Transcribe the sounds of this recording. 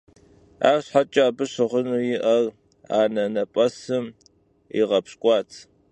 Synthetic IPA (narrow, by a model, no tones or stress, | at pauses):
a̰ːrɕħat͡ʃʼaːbɨɕɨʁʷʊnujɪʔɐr | a̰ːnɐnɐpʼɐsɨm | ḭʁɐpɕkʷʼɑːt͡sʰ